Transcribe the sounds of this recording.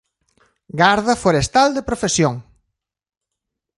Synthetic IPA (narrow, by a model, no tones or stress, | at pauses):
ɡaɾðɐfoɾest̪ald̪epɾofesjoŋ